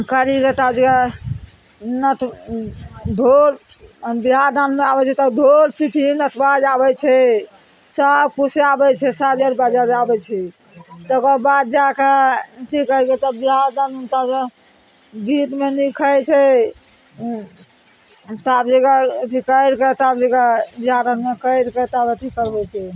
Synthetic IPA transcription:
kəɾiket̪ad͡ʒeka | nəʈʰ | ɖʱoɾ | biɦad̪ənmeabɛt͡ʃʰɛt̪ɔd̪ʱoɾpipʰinəʈʰbad͡ʒabɛt͡ʃʰɛ | səbkuseabɛt͡ʃʰɛsad͡ʒəɾbad͡ʒaɾabɛt͡ʃʰɛ | t̪əkɔbad̪̚d͡ʒakeʈʰikəket̪əbiɦaɾd̪ənt̪a | bʱit̪menikʰəjt͡ʃʰɛ | t̪abd͡ʒeɡat̪ʰikəjɾkət̪abd͡ʒeɡabiɦad̪ənmekəjɾkət̪abət̪ʰikəɾbɛt͡ʃʰɛ

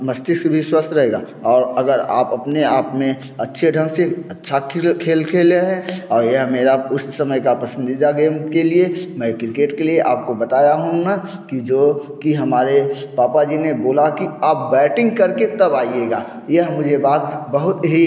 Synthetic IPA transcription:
məst̪ɪsbʱiswəst̪ʰɾɐɦeːɡa | ɔːɾəɡəɾa̰ːpɐpneaːpmẽ | ɐtːʃʰeɖʱə̃ŋɡseətːʃʰakkʰeːlkʰeːleɦɛ̃ɔːɾjəɦmeːɾaʊssəməjkapəsə̃nd̪id̪aɡeːmkeliemɛ̃kɾɪkeːʈkelieʔa̰ːp̚kobət̪aːjaɦũnakid͡ʒoːkiɦɐmaːɾepaːpad͡ʒineboːlakiaːp̚bɛːʈɪ̃ŋɡkɐɾket̪ɐbaːieːɡaː | jəɦmʊd͡ʒʱebaːt̪bəɦʊt̪ɦi

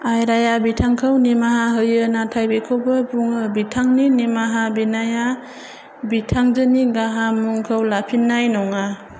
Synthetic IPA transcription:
ajɾajabitʰaŋkʰɯwnimaɦaɦɯjɯnatʰajbekʰɔbɯbuŋɯbitʰaŋninimaɦabinaja | bitʰaŋzɯniɡaɦamuŋkʰɯwlapʰinːajnɔŋa

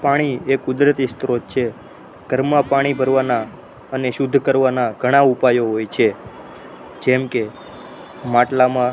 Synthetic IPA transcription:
paɽ̃iekʊd̪ɾət̪ist̪ɾod͡ʒt͡ʃʰe | ɡ̥ʱəɾmːãpaɽ̃ibʱəɾʋana | əneʃʊd̪ʱkəɾʋanaɡʱəɽ̃aupajoɦojt͡ʃʰe | d͡ʒɛmke | maʈlamã

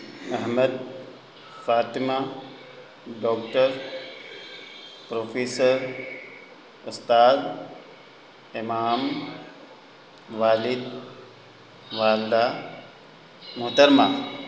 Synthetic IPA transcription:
ɐɦməd̪̚ | faːt̪ima | ɖɔːk̚ʈəɾ | pɾoːfeːsəɾ | ust̪aːd̪ | emaːm | ʋaːlid̪ | ʋaːld̪aː | muɦt̪ɐɾmaː

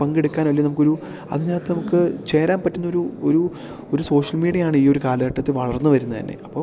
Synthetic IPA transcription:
pɐŋɡeɽukːaːnʋɐlːinɐmukːoɾu | ɐ̰ðɨɲaːnɐt̪ːenɐmukːɨt͡ɕe̞ːɾaːnpɐtːunːo̞ɾuoɾu | oɾuso̞ːʂɐlmiːɽijɐjaːɳɨiːo̞ɾukaːlɐɣɐʈːɐt̪ːiʋɐɭɐrnːɨʋɐɾunːɐt̪ɐ̰nːe̞̰ʔɐpːo̞ː

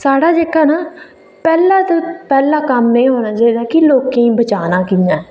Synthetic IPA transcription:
saːɽaːd͡ʒeːkaːnaː | pɛːlaːt̪opɛːlaːkəmnəĩːɦoːnaːd͡ʒeːd̪aːkɪloːkẽĩːbət͡ʃaːnaːkiːnãː

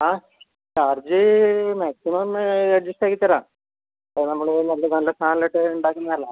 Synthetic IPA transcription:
aː | t͡ɕaːrd͡ʑɨmaːksimɐmɾeʈ̚d͡ʑisʈaːkːit̪ːɐɾãː | pːnɐmːɐɭnɐlːɐnɐlːɐst̪ʰaːnɐlɐʈːɨuɳɖaːkːɐnːɐnɐlːaː

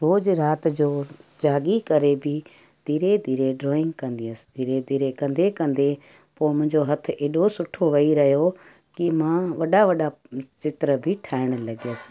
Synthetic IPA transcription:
ɾoːd͡ʒɾaːt̪d͡ʑoːd͡ʒaːɠikɐɾebʱi | d̪̥ʱiːɾed̪ʱiːɾeɖɾoːɪ̃ŋɡkɐ̃nd̪iəsd̪ʱiːɾed̪ʱiːɾekɐ̃nd̪ekɐ̃nd̪e | poːmʊ̃ɦɪ̃ɲd͡ʑoɦɐt̪ʰʔeːɗosʊʈʰoʋɐiɾɐɦijo | kimãːʋɐɗaʋɐɗat͡ʃɪt̪ɾəbʱɪʈʰaːɪɽ̃ə̆lɐɡəs

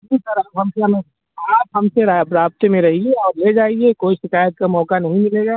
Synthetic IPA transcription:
d͡ʒisɐɾabɦɐmseɐme | aːpɦɐmseɾabɾaːb̚t̪emẽɾɐɦieɔːɾled͡ʒaːiekoːiʃɪkaːjət̪̚kamɔːkanɐɦĩmɪleːɡaː

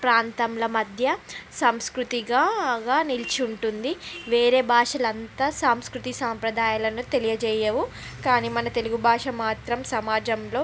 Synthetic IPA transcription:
pɾaːnt̪ɐmlɐmɐd̪ʱjɐsɐmskɾut̪iɡaːɡaːnilt͡ʃuɳʈund̪iʋe̞ːɾe̞ːbʱaːʂɐlɐnt̪ɐsaːmskɾut̪isaːmpɾɐd̪aːjalɐnut̪e̞lijɐd͡ʒɛːjɐʋu | kaːnimɐnɐt̪e̞luɡubʱaːʂɐmaːt̪ɾɐmsɐmaːd͡ʒɐmlo̞ː

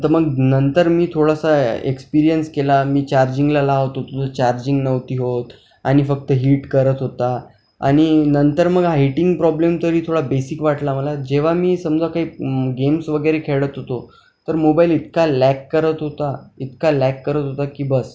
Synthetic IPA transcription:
t̪əɾməɡnənt̪əɾmiːt̪ʰoɽasaḛkspiɾijənskelamiːt͡ɕaɾd͡ʑiŋɡlalaɦot̪ot̪oət͡ɕaɾd͡ʑiŋɡnəʋt̪iːɦot̪ | aɽ̃ifək̚t̪əɦiːʈkəɾət̪ɦot̪a | a̰ɽ̃inənt̪əɾməɡɦaɦiʈiŋɡpɾɔblemt̪əɾiːt̪ʰoɽabesikʋaʈlaməlad͡ʑeʋ̤amiːsəmd͡zakaɦiːɡemsʋəɡəjɾekʰeɭət̪ɦot̪o | t̪əɾmobailit̪kalækːəɾət̪ɦot̪ait̪kalækːəɾət̪ɦot̪akiːbəs

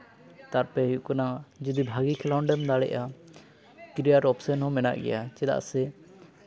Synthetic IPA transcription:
t̪aɾpɛɦikanad͡ʒid̪ibʱaɡikʰɛlaɳɖɛmd̪aɽɛ̰ʔa | kɾijaʈɔpsɛnhɔmɛna̰ʔɡɛ̰jat͡ʃɛd̪a̰ʔsɛ

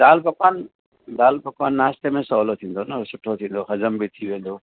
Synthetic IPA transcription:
d̪aːlpɐkaːn | d̪aːlpɐkaːnːaːst̪emẽsɔːlot̪ʰĩːn̆d̪onɐsʊʈʰot̪ʰĩːn̆d̪oxɐzəmbɪt̪ʰiʋẽːn̆d̪oː

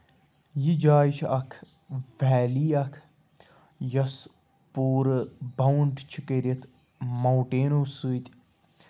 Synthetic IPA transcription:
jid͡ʒaːt͡ʃʰɐkʰ | ʋɛːliːɐkʰ | jɐs | puːɾbɐwɳɖt͡ʃʰikeɾɐt̪ʰ | mɐwʈeːnoːsɨːt̪ʲ

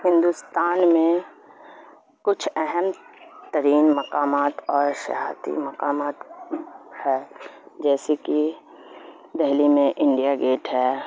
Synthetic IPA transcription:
hɪ̃nd̪ust̪aːnmẽ | kʊt͡ʃʰɛɦɛmt̪əɾiːnmɐkaːmaːt̪ɔːɾʃɐ̰ɦa̰ːt̪ḭmɐkaːmaːt̪ | hɛːd͡ʒɛːseki | d̪ɛɦlimẽʔɪ̃ɳɖijaɡeːʈɦɛː

